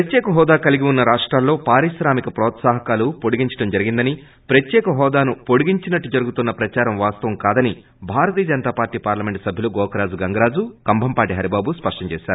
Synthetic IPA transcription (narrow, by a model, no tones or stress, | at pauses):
pɾɐt̪jɛːkɐɦɔːd̪aːkɐliɡiunːɐɾaːʂʈɾaːlːo̞ːpaːɾiʃɾaːmikɐpɾɔːt̪saːɦɐkaːlupoɽuɡiɲt͡ʃɐ̥ɽɐmd͡ʒɐɾiɡind̪ɐni | pɾɐt̪jɛːkɐɦɔːd̪aːnupoɽuɡiɲt͡ʃinɐʈːud͡ʒɐɾuɡut̪unːɐpɾɐt͡ʃaːɾɐmʋaːst̪ɐʋɐmkaːd̪ɐni | bʱaːɾɐt̪iːjɐd͡ʒɐnɐt̪aːpaːɾʈːiːpaːɾlɐme̞ɳʈsɐbʱjɐluɡɔːkɐɾaːd͡ʒuɡɐŋɡɐɾaːd͡ʒukɐmbʱɐmpaːʈiɦɐɾibaːbuspɐʂʈɐɲt͡ʃɛːʃaːɾu